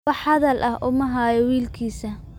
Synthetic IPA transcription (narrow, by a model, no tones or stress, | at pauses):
ɑħhɐðɐlʔɐhʔʊmɐɦaːjɔwiːlkʰiːsɐ